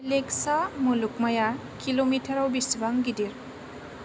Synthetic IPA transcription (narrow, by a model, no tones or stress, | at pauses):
leksamuluk̚maja | kilomitʰɐɾawbisibaŋɡidiɾ